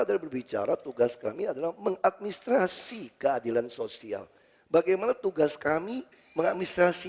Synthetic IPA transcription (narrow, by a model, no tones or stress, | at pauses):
adalabərbit͡ʃa̰ɾat̪uɡaska̰miadalahməŋat̪̚minist̪ɾasikəadilansosia̰l | baɡajmanat̪uɡaskami | məŋat̪̚minist̪ɾasi